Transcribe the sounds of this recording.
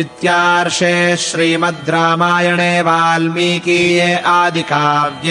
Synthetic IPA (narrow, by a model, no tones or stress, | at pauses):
it̪jaːɾʂeːʃɾiːmɐt̪̚d̪ɾaːmaːjɐɳeːʋaːlmiːkiːjeːʔaːd̪ʱikaːʋjɐ